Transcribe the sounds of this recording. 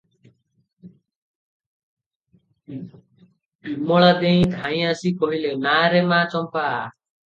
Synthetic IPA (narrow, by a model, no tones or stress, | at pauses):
mɔɭad̪eĩd̪ʱãĩasikɔɦilenaːɾemaːt͡ʃɔmpa